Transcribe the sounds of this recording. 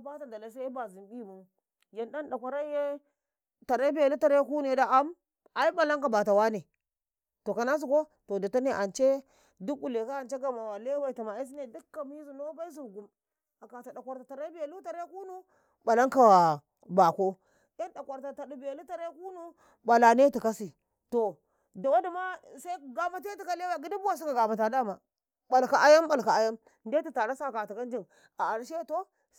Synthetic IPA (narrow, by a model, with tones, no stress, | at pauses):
ba˦ta˨da˨la˨˦s̬a˦i˦ba˨zi˨mbi˦˨mu˦ | je˨nɗa˦nɗa˨kʷa˨ɾa˦je˦ | ta˨ɾa˦bi˦ja˨lu˦ta˨ɾa˦jku˦nu˨e˨da˦a˦m | a˨i˦ba˨la˦ŋka˨ba˨ta˨wa˦ne˨ | to˨ka˨na˦s̬u˨ko˦ | to˨da˨ta˦ne˨ʔa˨nt͡ʃe˦ | du˦kːu˨le˨ka˦a˨nt͡ʃe˦ɡa˨ma˨wa˨le˦wa˦i˨ta˨ma˨a˦s̬i˦ne˨du˦kːa˨mi˦zu˨do˦ba˦i˦zu˨ɾɡu˨m | a˨ka˨ta˨da˨kʷa˨ɾta˨ta˨ɾa˦bi˦ja˨lu˦ta˨ɾa˦ku˦nu˦ | ɓa˨la˦ŋka˨wa˨ | ba˨ko˦ | ja˦nɗa˨kʷa˨ɾta˨ta˨ɗu˨bi˨ja˨lu˦ta˨ɾe˦ku˦nu˦ | ɓa˨la˨ne˦ti˨ka˦si˨ | to˨ | da˨wa˦di˨ma˦sa˦i˦˨ɡa˨ma˨te˦ti˨ka˦le˦wa˨ɡi˦di˦bu˦wa˦s̬i˦ka˨ɡa˨ma˨t̬a˨da˦ma˨ | ɓa˨lka˨ʔa˦ja˦mba˨lka˨a˦ja˦m | nde˦a˨ta˨ɾa˦sa˦˨ka˨ti˨ka˦n˦d͡ʒi˦˨n | a˨a˨ɾʃe˦to˦